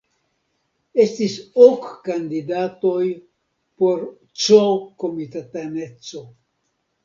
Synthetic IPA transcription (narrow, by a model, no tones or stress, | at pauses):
e̞stisokːand̪idato̞j | po̞ɾ | t͡ʃoko̞mitatane̞t͡so̞